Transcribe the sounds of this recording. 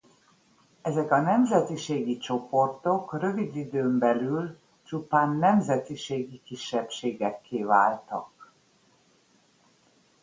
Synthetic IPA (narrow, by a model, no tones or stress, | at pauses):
ɛzɛkɒnɛmzɛt̪iʃeːɡit͡ʃo̞po̞rt̪o̞krø̞vid̪id̪øːmbɛlyl | t͡ʃupaːnːɛmzɛt̪iʃeːɡikiʃːɛpʃeːɡɛkːeːva̰ːlt̪ɒ̰k